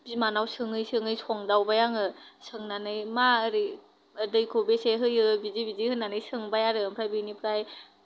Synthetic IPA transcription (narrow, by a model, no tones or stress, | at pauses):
bimanawsɯŋɯjsɯŋɯjsʰɔŋdawbajaŋɯsʰɯŋnanɯjmaɾɯ | ɯdɯjkʰubeseɦɯjɯbizibizihɯnːanɯjsɯŋbajaɾɯɯmpʰɾajbɯnipʰɾaj